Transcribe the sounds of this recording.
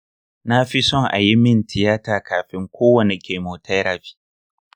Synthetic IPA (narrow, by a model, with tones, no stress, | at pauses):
na˦ɸi˦sɔ˦ŋʔa̰˨ji˦mɪ˦˨ntʰɪ˨jaː˦taː˨kaː˨ɸɪ˦ŋkʷoː˦wɐ˨ni˨kʲʰe˨moː˨tʰa˦ɾa˨ɸi̥ː˦